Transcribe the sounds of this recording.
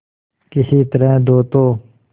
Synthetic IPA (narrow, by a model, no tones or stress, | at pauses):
kɪsiːt̪əɾɛ̃ːd̪oːt̪oː